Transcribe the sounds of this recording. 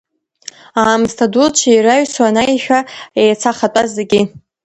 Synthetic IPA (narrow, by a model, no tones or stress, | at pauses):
aːmztʰadult͡ʃʰajɾaɥswanajʃᶣaejt͡sʰaχatʷʼazeɡʲi